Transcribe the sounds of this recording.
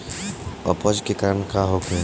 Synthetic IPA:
ɔ̰pɔd͡ʒkekaːɾəɳkaɦokʰẽ

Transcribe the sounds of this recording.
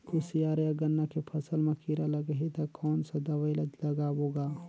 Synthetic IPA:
kusijaːɾjaɡənːakepʰɐsəlmẽkiɾaləɡɦit̪ɐkɔːnsad̪ɐʋəɪləd͡ʒ̪lɐɡaboːɡaː

